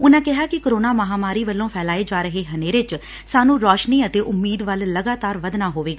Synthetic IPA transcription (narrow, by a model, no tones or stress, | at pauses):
ʊnãːkɪɦaːkɪkːɾoːnaːməɦaːmaːɾiːʋəlːõːpʰɛːlaːeːd͡ʒaːɾəɦeːɦəneːɾet͡ʃ | saːnũːɾɔːʃniːət̪eːʔʊmːiːd̪ʋəlːəɡaːt̪aːɾʋəd̪naːɦoːʋeːɡaː